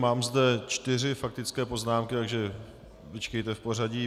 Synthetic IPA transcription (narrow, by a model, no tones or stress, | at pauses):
maːmzdɛt͡ʃt̪ɪrɪfak̚t̪ɪt͡skɛːpo̞znaːmkɪt̪aɡʒɛ | vɪt͡ʃkɛjt̪ɛfpo̞r̝aɟi